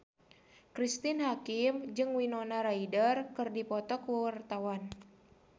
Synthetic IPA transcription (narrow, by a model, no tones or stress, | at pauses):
kɾist̪ɪnɦakimd͡ʒɨŋwinonaɾaidərkɨrdipɔt̪ɔkwawart̪awan